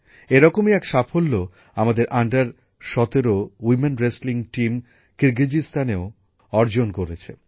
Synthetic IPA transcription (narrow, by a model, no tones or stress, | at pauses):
eɾɔkomiɛkʃapʰolːo | amad̪eɾʔaɳɖaɾ | ʃɔt̪eɾowimenɾesliŋʈim | kiɾɡid͡ʑist̪ʰaneo | ɔɾd͡ʑonkoɾet͡ɕʰe